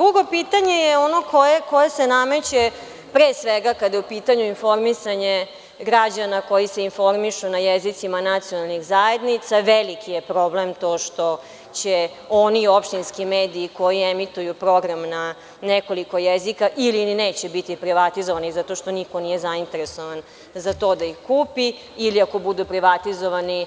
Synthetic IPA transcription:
d̪ɾuɡo̞pit̪aɲe̞jeo̞no̞kʰojeko̞jesenamet͡ɕe | pɾeːsʋeɡakad̪ajeupiːt̪aɲuinfo̞ɾmisaɲe | ɡɾad͡ʑanako̞jise̞info̞ɾmiʃunajezit̪simanat̪sionalˠnixzajed̪nit̪saʋelikʰijepɾo̞blemt̪o̞ːʃt̪o̞ | t͡ɕe | o̞nio̞pʃt̪inskimeːd̪iːko̞jiemit̪ujupɾo̞ɡɾamna | neko̞liko̞jezikaʔilineːt͡ɕebit̪ipɾiʋat̪izoʋanizat̪o̞ʃt̪o̞niko̞nijezaint̪e̞ɾeso̞ʋan | zat̪o̞ːd̪aixkuːpi | iliako̞bud̪upɾiʋat̪izoʋani

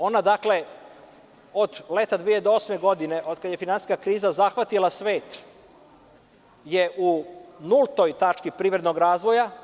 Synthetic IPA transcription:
o̞nad̪akle̞ | od̪let̪ad̪ʋijed̪ooːsmeɡo̞d̪ine̞ʔo̞d̪̚kad̪je̞finansi̥skakɾiːzazaxʋat̪ilˠasʋe̞ːt̪ | jeʔunult̪ojt̪at͡ʂkipɾiːʋɾe̞d̪no̞ɡɾaːzʋo̞ja

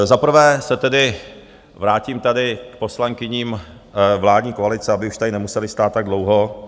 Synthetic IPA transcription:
zapr̩vɛːsɛt̪ɛdɪ | vɾaːciːmt̪adɪkpo̞slaŋkɪɲiːm | vlaːdɲiːkoalɪt͡sɛabɪuʃt̪adɪnɛmusɛlɪst̪aːt̪ːaɡ̚dlowɦo

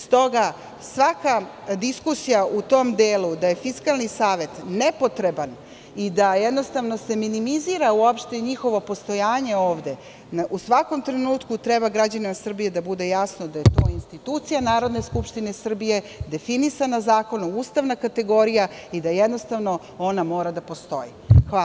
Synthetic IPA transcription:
st̪o̞ɡa | sʋaka | d̪iskusijaʔut̪o̞md̪eːlud̪aje̞fiskalˠnisaːʋe̞t̪nepo̞t̪ɾe̞ban | id̪ajed̪no̞st̪aʋno̞se̞minimiziːɾauopʃt̪eɲixo̞ʋo̞po̞st̪o̞jaːɲe̞o̞ːʋd̪e̞ | usʋako̞mt̪ɾenuːt̪kut̪ɾebaɡɾad͡ʑanimasr̩bije̞d̪abud̪e̞jasno̞d̪aje̞t̪o̞inst̪it̪uːt̪sijanaːɾo̞d̪ne̞skupʃt̪ine̞sr̩bije̞d̪e̞finisanazaːko̞nuuːst̪aʋnakat̪eɡo̞ɾijaid̪ajed̪no̞st̪aʋno̞ | o̞namo̞ːɾad̪apo̞st̪o̞̰jḭxa

